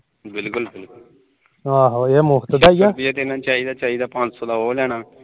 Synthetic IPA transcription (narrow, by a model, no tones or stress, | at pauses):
bɪlkʊlbɪlkʊl | aːɦoemʊɦt̪d̪aːijabiaːt̪enãːt͡ʃaːɦiːd̪aːt͡ʃaːid̪aːpãnd͡ʒsoːd̪aːɦoːlɛːɽ̃aː